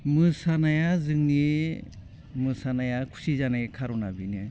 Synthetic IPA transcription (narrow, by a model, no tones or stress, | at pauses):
mɯsanajazɯŋni | mɯsanajakʰu̥sizanakʰaɾɔnabinɯ